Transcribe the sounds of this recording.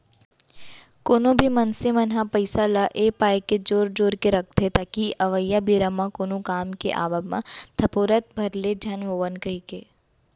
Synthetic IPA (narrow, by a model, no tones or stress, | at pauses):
koːnõbʱimɐnsemɐnɦapɐɪsalaʔeːpaːjked͡ʒoːɾd͡ʒoːɾkeɾɐk̚ʰt̪et̪aːkiʔɐʋəjːabiːɾamãkoːnokaːmkḛʔa̰ːʋamã̰t̪ʰɐpoːɾət̪̚bʱɐɾled͡ʒʱɐnʋoːʋənkɐikeː